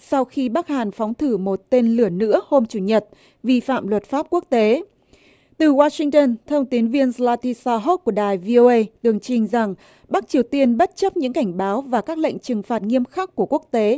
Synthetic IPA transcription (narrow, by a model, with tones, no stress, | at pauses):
sa˧wxi˧ɓa˦˥k̚haː˨˩nfɔ˨˦wŋ͡mt̪ʰɨ˧˩mo˨˩t̚t̪e˧nlɨ˧˩ənɨ̰˧˥əho˧mt͡ɕu˧˩ɲə˨˩t̚ | vi˧fa̰ː˧˨mlwə˨˩t̚faː˦˥p̚ku˦˥ək̚t̪e˨˦ | t̪ɨ˨˩waː˧sï˧ŋt̪ə˧nt̪ʰə˧wŋ͡mt̪i˨˦ənvi˧ənzlaː˧t̪i˧saː˧ɦo˦˥t̚ku˧˩əɗaː˨˩jvi˧ʔo˧ʔə˧jt̪ɨ˨˩əŋt͡ɕï˨˩ŋ̟za˨˩ŋ | ɓa˦˥k̚t͡ɕi˨˩əwt̪i˧ənɓə˦˥t̚t͡ɕə˦˥p̚ɲɨ̰˧˥ŋka˧˩jŋ̟ɓaː˨˦wvaː˨˩kaː˦˥k̚lḛ˧˨ŋ̟t͡ɕɨ˨˩ŋfaː˨˩t̚ŋi˧əmxa˦˥kːu˧˩əku˦˥ək̚t̪e˨˦